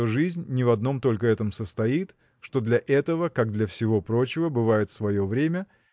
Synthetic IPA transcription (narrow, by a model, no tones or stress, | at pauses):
oʐɨzʲnʲːɪvɐd̪no̞mt̪o̞lʲkəɛt̪əmsəst̪ɐit̪ | ʂt̪o̞d̪lʲɐʔɛt̪əvəkaɡ̚d̪lʲɐfsʲɪvo̞pɾo̞t͡ɕɪvəbɨvajɪt̪svɐjo̞vɾʲemʲə